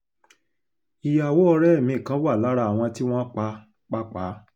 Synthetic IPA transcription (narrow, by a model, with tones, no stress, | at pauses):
i˨ja˨wo˨˦ɔ˧ɾɛ˦ɛ˦˨mĩ˨˦˨kã˨˦wa˦˨la˨˦ɾa˧˨w̃ɔ̃˧ti˦w̃ɔ̃˦k͡pa˧ | k͡pa˦k͡pa˨˦